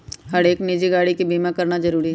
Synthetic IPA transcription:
ɦɐɽeːknid͡ʒiɡaːɽikibiːmãkɐɾnazɐɾuːɾiɦ

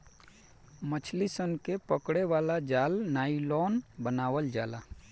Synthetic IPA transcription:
mət͡ʃʰlisənkepəkɽeʋaːlad͡ʒaːlnaːilɔːnbənaːʋəld͡ʒaːlaː

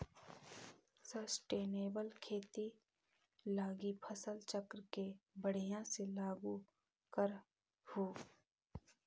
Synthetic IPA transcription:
səsʈeːneːbəlkʰeːt̪i | laːɡipʰəsəlt͡ʃəkɾkebəɽ̤ijãselaːɡu | kəɾ | hoː

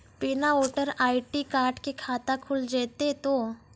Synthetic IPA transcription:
piːnaoːʈəɾaːɪʈikaːɾʈkekʰaːt̪akʰʊld͡ʒeːt̪et̪oː

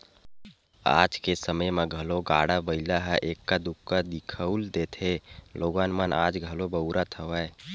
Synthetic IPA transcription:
a̰ːd͡ʒkesəməjmeɡʱəloɡaɽabəɪlaɦɛʔekːad̪ukːad̪ikʰəuld̪et̪ʰeloːɡanməna̰d͡ʒɡʱəlobəʊɾat̪ʰəʋə

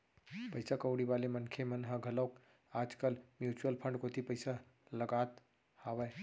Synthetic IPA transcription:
pəɪsakəʊɽiʋaːlemənkʰemənɦə̃ɡʱələːk | aːd͡ʒkəlmjuːt͡ʃuwəlpʰə̃ɳɖkot̪ʰipəɪsa | ləɡaːt̪ | haːʋɛː

